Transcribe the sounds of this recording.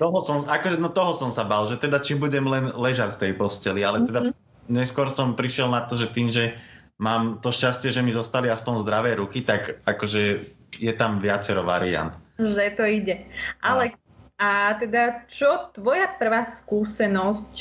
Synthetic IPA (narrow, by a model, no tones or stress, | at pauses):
t̪ɔɦɔsɔmakɔʒɛnɔt̪ɔɦɔsɔmsabaːlʒɛt̪ɛd̪at͡ʃibuɟɛmlɛnlɛʒacft̪ɛjpɔscɛlialɛt̪ɛd̪a | ɲɛskʊɔɾsɔmpɾiʃɪɛlnat̪ːɔʒɛt̪iːmʒɛ | maːmt̪ɔʃcascɪɛʒɛmizɔst̪aliaspɔnzd̪ɾaʋɛːɾukit̪akakɔʒɛ | jɛt̪amʋɪat͡sɛɾɔʋa̰ɾia̰nt̪ʒɛt̪ɔiɟɛʔalɛ | at̪ɛd̪at͡ʃɔt̪ʋɔjapr̩ʋaːskuːsɛnɔsc